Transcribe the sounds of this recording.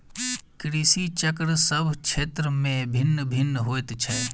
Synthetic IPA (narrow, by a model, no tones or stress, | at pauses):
kɾisit͡ʃəkɾsəbʱkt͡ʃʰeːt̪ɾəmẽbʱɪnːəbʱɪnːɦoːjt̪t͡ʃʰɛ